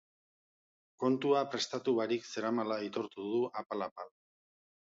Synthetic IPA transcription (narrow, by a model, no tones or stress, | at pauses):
ko̞nt̪uapɾe̞st̪at̪uβaɾikse̞ɾamalait̪o̞ɾt̪uðuʔapalapal